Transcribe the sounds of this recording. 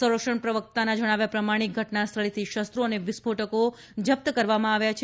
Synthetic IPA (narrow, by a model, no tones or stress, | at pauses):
sə̃ɾəkʂəɳpɾəʋək̚t̪anad͡ʒəɽ̃aʋjapɾəmaɽ̃ik̚ɡʱəʈnast̪ʰəɭit̪ʰiʃəst̪ɾoəneʋɪsbʱoʈəko | d͡ʒəp̚t̪əkəɾʋamãaʋjat͡ʃʰ